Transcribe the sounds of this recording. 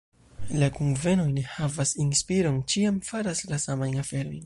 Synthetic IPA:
lakunvenojnehavasinspiɾont͡ʃiamfaɾaslasamajafeɾoj

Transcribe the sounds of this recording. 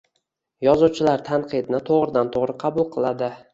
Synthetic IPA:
jɒzuwt͡ʃʰɪlaɾt̪ʰanqʰɨd̪nɪt̪ʰoʁɾɪd̪ant̪ʰoʁɾɨqʰɑbʊlˠqʰɨlˠad̪ɪ

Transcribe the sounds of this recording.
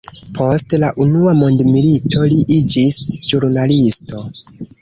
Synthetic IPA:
pʰo̞stlaʔunuamo̞ndmilitʰo̞liʔid͡ʒisʒuɾnalisto̞

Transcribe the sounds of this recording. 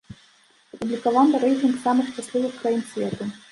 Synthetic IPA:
ɐpublʲikavanɨɾɛjt̪ʲinksamɨxʂt͡ʂasʲlʲivɨxkɾajimsʲvʲɛt̪u

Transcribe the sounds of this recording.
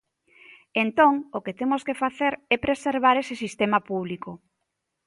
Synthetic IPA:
ent̪oŋoket̪emoskefaθeɾɛpɾeseɾβ̞aɾesesist̪emapuβ̞liko

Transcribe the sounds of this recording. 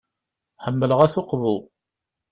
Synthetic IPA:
ħəmːələʁæθʊqvu

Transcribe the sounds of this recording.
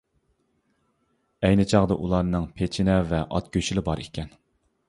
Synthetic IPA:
ɛjnɪt͡ʃʰɑʁd̪ɑʔulˠɑɾnɨŋpʰet͡ʃʰinɛvɛʔɑ̰t̪̚kʲøt͡ʃilɪbɑɾʔḭkʲɛn

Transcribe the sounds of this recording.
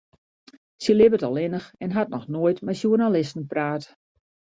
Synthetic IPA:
səlɪbətɔlˠɪnəxɛnɦat̚nɔxnoətmɛjsjurnalɪstn̩praːt

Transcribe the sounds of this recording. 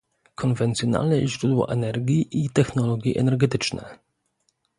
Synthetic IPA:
kʰɔnvɛnt̪sʲjɔna̰lnɛʑɾud̪wɔ̰ʔɛnɛɾɡʲiʔit̪ɛxnɔlɔɡʲjiʔɛ̰nɛɾɡɛt̪ɘt͡ʂnɛ̰

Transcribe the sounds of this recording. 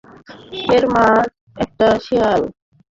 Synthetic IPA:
eɾmad͡ʑ | ɛk̚ʈaʃial

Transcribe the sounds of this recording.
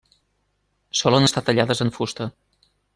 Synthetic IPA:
sɔlənəst̪at̪əʎaðəzəɱfust̪ə

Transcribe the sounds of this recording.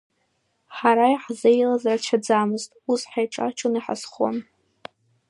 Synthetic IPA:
ħaɾajħzejlazarat͡ʃʰad͡zamɨztʼusħajʈ͡ʂʼa̰t͡ʃʰʊniħa̰sχo̰n

